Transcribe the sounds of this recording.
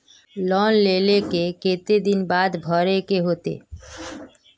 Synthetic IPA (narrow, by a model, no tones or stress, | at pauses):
lɔnlelekeket̪ed̪inbad̪bʱɔɾekeɦot̪ḛ